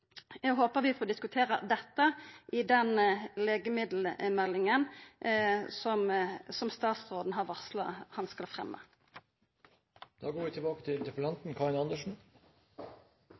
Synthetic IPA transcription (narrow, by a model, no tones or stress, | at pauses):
ɛɡɦoːpəʁʋɪfoːd̪ɪskʉt̪ʰeːʁə̰d̪ɛt̪ːəʔɪd̪ɛnleːɡəmɪd̪l̩mɛlːɪŋən | sɔmsɔmst̪ɑːt̪sʁoːd̪n̩ɦɑʁʋɑʁslɑ̰hɑnskɑlfʁɛ̰mːə̰ | d̪̥ɑːɡoːɾʋiːt̪ʰɪbɑːkə̥t̪ʰɪlt̪ɛflɑnt̪n̩kʰɑːɪnɑnd̪əʂn̩